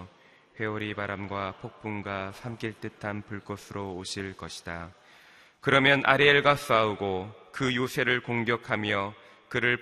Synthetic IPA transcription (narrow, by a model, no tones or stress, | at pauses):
ɸwe̞oɾibaɾamɡwapʰok̚p͈unɡasʰamk͈iɭt͈ɯtʰanpuɭk͈ʌsʰɯɾoːɕʰiɭk͈ʌɕʰi̥d̥a | kɯɾʌmjʌnʔa̰ɾeɭɡas͈auɡokɯjosʰe̞ɾɯɭkoŋɡjʌkʰamjʌ | kɯɾɯɭ